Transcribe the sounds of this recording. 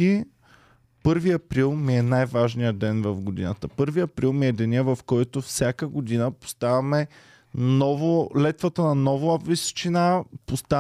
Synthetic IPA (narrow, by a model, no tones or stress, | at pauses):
i | pɤɾviɐpɾilˠmiɛnajvaʒnijəd̪ɛnvɐfɡod̪ḭnət̪əpɤɾviɐpɾilˠmiɛd̪ɛniəvɐfkɔjt̪ofsʲakəɡod̪inəpo̥st̪avɐmɛ | nɔvolɛt̪vət̪ənɐnɔvʊɐvist͡ʃinapost̪a